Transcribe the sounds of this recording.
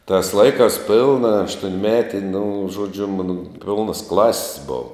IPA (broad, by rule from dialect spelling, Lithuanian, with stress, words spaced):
tɑːs ˈlˠɐɪkɑːs ˈpʲɪlˠnɐ ɐʃtuɔnʲˈmʲæːtʲɪ nʊ ˈʒuɔd͡ʒʲʊ ˈmɑːnoː ˈpʲɪlˠnɐs ˈklˠɑːsʲɪs ˈboːʋɐ